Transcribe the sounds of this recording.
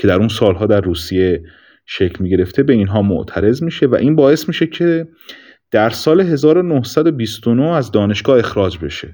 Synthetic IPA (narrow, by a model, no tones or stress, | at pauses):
cʰe̞d̪æɾunsɒːlɦɒːd̪æɾːuːsije̞ | ʃe̞cʰlmiːɟe̞ɾe̞ft̪ʰe̞be̞inɦɒːmo̰ʔt̪ʰæɾe̞zmiːʃe̞væ̰ʔiːnbɒːe̞smiːʃe̞cʰe | d̪̥æɾsɒːle̞ɦe̞zɒːɾo̞nohsæd̪obiːst̪onoæzd̪ɒːne̞ʃɡ̥ɒːe̞xɾɒːd͡ʒbe̞ʃe̞